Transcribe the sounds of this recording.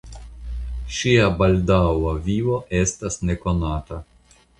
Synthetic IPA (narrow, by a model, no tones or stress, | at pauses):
ʃʲiɐbɐlʲd̪awɐʋʲiːʋoʔɛst̪ɐsnʲɛkɔnaːt̪ɐ